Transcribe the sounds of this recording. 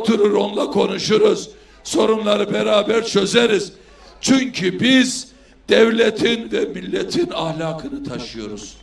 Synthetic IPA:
ot̪ʰuɾuɾo̞nlˠakʰo̞nuʃuɾuz | so̞ɾumlˠaɾɯbɛɾaːbæɾt͡ʃʰø̞zeɾiz̥ | t͡ʃʰyɲcʰybiz | d̪̥ɛvlʲet̪ʰinvɛmilʲːet̪ʰinahlʲaːkʰɯnɯt̪ʰaʃɯjo̞ɾuz̥

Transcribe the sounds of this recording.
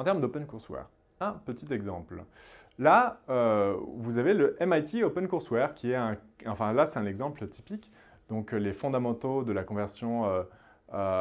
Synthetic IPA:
ɑ̃t̪ɛʁmd̪opɛnkuʁswɛ̰ʁ | ɛ̃pət̪it̪ɛɡzɑ̃pl | laøvuzaveləʔɛmajt̪iopɛnkuʁswɛʁkʲiɛtɛ̃ɑ̃fɛ̃lasɛt̪ɛ̃nɛɡzɑ̃plt̪i̥pik | d̪̥ɔ̃klefɔ̃d̪amɑ̃t̪od̪əlakɔ̃vɛʁsjɔ̃ø | ø

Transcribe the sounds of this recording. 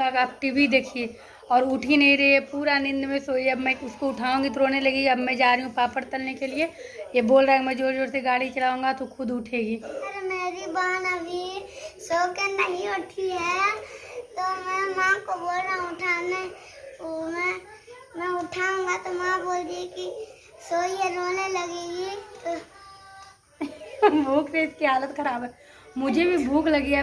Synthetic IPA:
akaːp̚ʈibid̪eːkʰie | ɔːɾʊʈʰinɐɦĩɾɐɦiɛpuːɾanɪ̃nd̪mẽsoːieɐbmɛ̃ʊskoʊʈʰaːũːŋɡit̪oɾoːnelɐɡeːɡiɐbmɛ̃d͡ʒaːɾɦũpaːpəɾt̪ɐlnekelie | jeboːlɾaɦɛmɛ̃d͡ʒoːd͡ʒoːɾseɡaːɽit͡ʃɐlaːũːŋɡat̪okʰʊd̪ʊʈʰeːɡiːsɐɾemɛ̃bʱibaːnɐbʱisoːkenɐɦĩʊʈʰiɦɛ | t̪omɛ̃mãːŋkoboːlɾãʊʈʰaːnɛ̃ | oːmɛ̃ | mɛ̃ʊʈʰaũːŋɡat̪omãboːld̪ieki | soːiɦɛɾoːneləɡeːɡit̪o | bʱuːkseɪskiɦaːlət̪xɐɾaːbɦɛː | mʊd͡ʒʱebʱibʱuːklɐɡia

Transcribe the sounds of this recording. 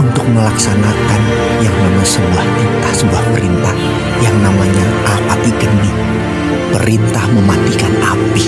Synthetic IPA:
unt̪ʊk̚məlaksanakan | jaŋnamaɲsəbuahtit̪ahsəbuahpəɾint̪ah | jaŋnamaɲa | ʔapat̪iɡəni | pəɾint̪ahməmad̪ikanapi

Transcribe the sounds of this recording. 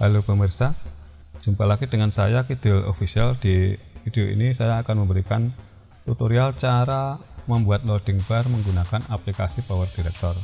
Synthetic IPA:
lalupəmərsḁ | d͡ʒ̥umpalaɡid̥əŋansajakid̪̥ɪlo̰fisiald̥i | id̥eoʔḭnisajaːkanməmbəɾikan | t̪ut̪oɾialt͡ʃaɾaməmbuat̪̚lɔd̥əŋbarməŋɡunakanaplikasipawərd̥iɾɛk̚t̪ɔr

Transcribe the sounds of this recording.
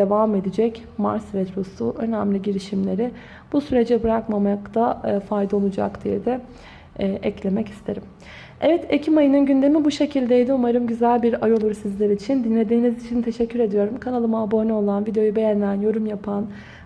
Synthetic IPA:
evame̞d̪id͡ʒɛc | ma̰ɾsvɛt̪ɾosṵʔø̞næmlʲiɟiɾiʃimlʲe̞ɾɪ | b̥usyɾe̞d͡ʒɛbɯɾakmamakt̪ʰafajd̪ao̞lˠud͡ʒa̰kd̪ijd̪ɛ | ʔɛclʲe̞mɛci̥st̪ʰe̞ɾim | ɛvɛt̪ʰecʰimajɯnɯnɟynd̪e̞mibuʃe̞cʰilʲd̪ejd̪iumaɾɯmɟyzælʲbiɾajo̞lˠuɾsizlʲeɾit͡ʃʰind̪inlʲe̞d̪iːnizit͡ʃʰint̪ʰe̞ʃɛcʰːyɾe̞d̪ijo̞ɾumkʰanalˠɯmaabo̞nɛo̞lˠanvid̪ejo̞jube̞jænlʲænjo̞ɾumjapʰan

